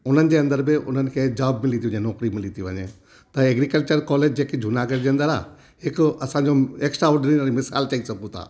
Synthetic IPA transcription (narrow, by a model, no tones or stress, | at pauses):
ʊn̤ənɪ̆d͡ʑeɐ̃nd̪əɾbɪʊn̤ənɪ̆kʰed͡ʒaːbmɪlit̪ʰiʋɐ̃ɲẽnɔːkɾimɪlit̪ʰiʋə̰ɲḛ̃ | t̪ɐeːɡɾikəlt͡ɕəɾkɔːleːd͡ʑd͡ʑeːkid͡ʒʱunaːɡəɾd͡ʑeənd̪əɾa̰ː | ɦɪkɐsãɲd͡ʑoeːksʈɾaʊɖniəɾimɪsa̰ːlt͡ʃaisɐkũt̪ʰa̰ː